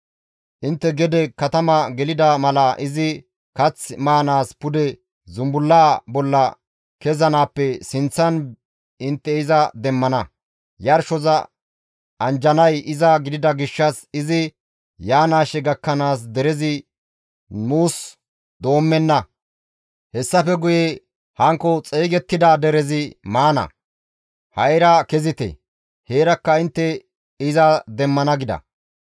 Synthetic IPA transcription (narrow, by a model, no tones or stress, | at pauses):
ʔɪnt̪ːɛɡɛd̪ɛkɐt̪ɐmɐɡɛlɪd̪ɐmɐlɐʔɪzɪ | kɐt͡sːmaːnaːspʊd̪ɛ | zʊmbʊlːaːbɔlːɐ | kɛzɐnaːpːɛsɪnt͡sːɐn | ɪnt̪ːɛɪzɐd̪ɛmːɐnɐ | jɐɾʃɔzɐ | ʔɐnd͡ʒɐnɐjʔɪzɐɡɪd̪ɪd̪ɐɡɪʃːɐsɪzɪ | jaːnaːʃɛɡɐkːɐnaːs̬d̪ɛɾɛzɪ | nuːs | d̪o̞ːmːɛnːɐ | hɛsːɐfɛɡʊje | hɐŋkːɔt͡sʼeːɡɛt̪ːɪd̪aːd̪ɛɾɛzɪmaːnɐ̰ | hɐjɾɐkɛzɪt̪ɛ̰ | heːɾɐkːɐɪnt̪ːɛ | ɪzɐd̪ɛmːɐnɐɡɪd̪ɐ̰